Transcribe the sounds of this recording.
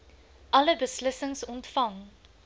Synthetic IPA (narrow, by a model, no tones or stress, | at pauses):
ʔɐləbəsləsəŋsɔntfɐŋ